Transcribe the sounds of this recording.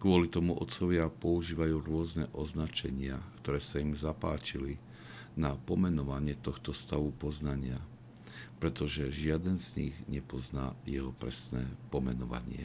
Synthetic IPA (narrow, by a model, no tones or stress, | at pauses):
kʊɔlit̪ɔmuʔɔ̰t̪t͡sɔʋɪapɔuʒiːʋajuːɾʊɔznɛʔɔznat͡ʃɛɲɪakt̪ɔɾɛːsaimzapa̰ːt͡ʃili | napɔmɛnɔʋaɲɪɛt̪ɔxt̪ɔst̪aʋupɔznaɲɪa | pɾɛt̪ɔʒɛʒɪad̪ɛnzɲḭɣɲɛpɔzna̰ːjɛɦɔpɾɛ̰snɛ̰ːpɔmɛnɔʋa̰ɲɪɛ̰